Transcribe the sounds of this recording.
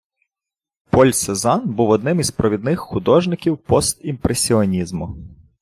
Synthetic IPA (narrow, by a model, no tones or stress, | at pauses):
pɔlʲsezɑnbuwɔd̪nɪmizpɾɔʋʲid̪̚nɪxxʊd̪ɔʒnɪkʲiwpɔst̪impɾesʲiɔnʲizmʊ